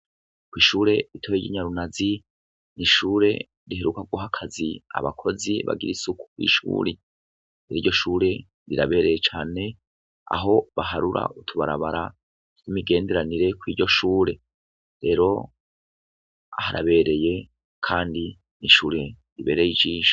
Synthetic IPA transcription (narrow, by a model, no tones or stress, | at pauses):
kwiːʃuːɾe̞ɾitʰojeɟiɲaɾunazi | niʃuːɾe̞̰ | ɾihe̞ɾukaɡwoɦakʰazia̰βakʰo̞ziβa̰ɡiɾisukʰu̥kwḭʃṵːɾi | eɾiɟo̞ʃuːɾe̞ | ɾiɾaβe̞ːɾe̞jet͡ʃaːne̞ | a̰ɦo̞βaɦaɾuɾa̰utʰuβaɾa̰βaɾḁ | kimiɡe̞ːnde̞ɾaniɾe̞kwiːɟo̞ʃuːɾe̞ | ɾe̞ːɾo̞ | ahaɾa̰βe̞ːɾe̞je̞ | kʰaːndi | niʃuːɾe̞ | ɾiβe̞ːɾejid͡ʒiːʃḁ